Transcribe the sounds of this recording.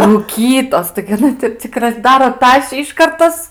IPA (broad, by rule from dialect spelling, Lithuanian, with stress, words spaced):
ruːˈkʲiːtoːs tɐɪɡʲɪ ɐˈnɐ tʲɪ t͡sʲɪk rɐzˈdɑːroː ˈtɑːʃʲiː ɪˈʃkɐrt ˈtɐs